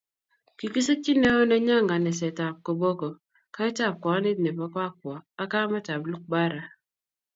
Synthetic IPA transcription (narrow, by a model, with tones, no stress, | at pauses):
ki˨ki˦se˦t͡ʃi˦ne˦o˦nɛ˦ɲa˦ŋɡa˨nɛ˨sɛ˨ta˨p̚ko˨bo˦ko˨ | ka˦ɛ˦ta˦˨p̚kʷɔ˨˦nɪ˦ne˨pa˦ka˦k̚wɔ˨a˦ka˦ma˦ta˨blu˦k̚ba˦ɾa˨